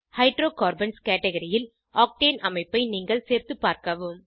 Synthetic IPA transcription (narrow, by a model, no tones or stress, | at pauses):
hɐɪɖɾoːkaːɾbɐnskeːʈɛɣɐɾɪjɪl | ʔaːk̚ʈeːnɐmɐɪpːɐɪniːŋɡɐɭseːɾt̪ɯpːaːɾkɐʋɯm